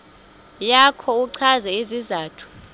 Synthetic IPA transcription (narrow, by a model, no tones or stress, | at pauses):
jakʰɔuǀʰazɛizizaːtʰu̥